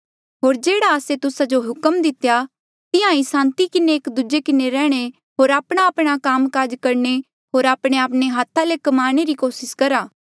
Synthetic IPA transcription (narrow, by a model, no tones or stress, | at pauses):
ɦoːɾd͡ʒeːɽaəset̪ʊsad͡ʒoɦʊkəmd̪ɪt̪ja | t̪ɪãisãːnt̪ikɪneːkd̪ud͡ʒekɪneɾɛːɽ̃e | ɦoːɾaːpɽ̃aːpɽ̃akaːmkaːd͡ʒkɐɾne | ɦoːɾaːpɽ̃eaːpɽ̃eɦaːt̪ʰalekɐmaːɾɽ̃eɾikoːsɪskɐɾaː